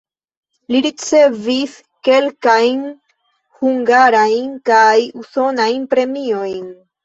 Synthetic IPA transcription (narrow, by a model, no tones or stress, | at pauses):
liɾit͡se̞vis | ke̞lkajn | huŋɡaɾajnkajuso̞najnpɾe̞mio̞jn